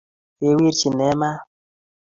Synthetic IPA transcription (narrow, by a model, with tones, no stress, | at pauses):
e˨˦wi˦ɾt͡ʃi˨nɛ˦ma˦